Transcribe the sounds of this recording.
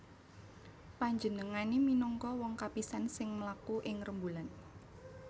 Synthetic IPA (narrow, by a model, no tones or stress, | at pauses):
paɲd͡ʒənəŋaneminɔŋkɔwɔŋkapisansɪŋməlakuʔɪŋrəmbulan